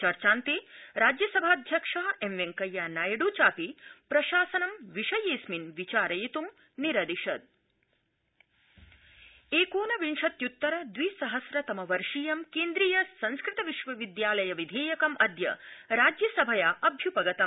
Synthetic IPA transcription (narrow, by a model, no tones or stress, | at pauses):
t͡ʃɐɾt͡ʃaːnt̪iɾaːd͡ʒjɐsɐbʱaːd̪ʱjɐkʂaːemʋeŋkɐjːaːnaːjɐɖuːt͡ʃaːpipɾɐʃaːsɐnɐmʋiʂɐjeːsminʋit͡ʃaːɾɐjit̪um | niɾɐd̪iʃɐd̪̚ | eːkoːnɐʋinʂɐt̪jut̪ːɐɾɐd̪ʋisɐɦɐsɾɐt̪ɐmɐʋɐɾʂiːjɐmkeːnd̪ɾiːjɐsɐnskɾɪt̪ɐʋiʃʋɐʋid̪jaːlɐjɐʋid̪ʱeːjɐkɐmʔɐd̪ʱjɐ̰ɾaːd͡ʒjɐsɐbʱɐjaːʔɐbʱjupɐɡɐt̪ɐm